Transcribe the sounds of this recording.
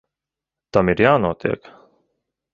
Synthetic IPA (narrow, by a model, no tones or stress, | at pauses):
t̪ɐmiɾjaːnɔt̪ɛ̰ːk